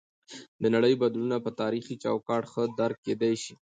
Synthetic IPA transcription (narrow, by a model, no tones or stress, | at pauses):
d̪ənaɽəjbad̪lunapət̪ɑɾixit͡ʃɑwkɑʈxəd̪aɾk̚kːed̪ajʃi